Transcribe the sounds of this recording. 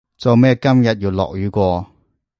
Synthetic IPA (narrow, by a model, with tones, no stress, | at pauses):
t͡so˨˧wmɛː˥˧kɐ˥mjɐ˨t̚ji˨˩wlɔ̰ː˨k̚jyː˨˥kʷɔː˧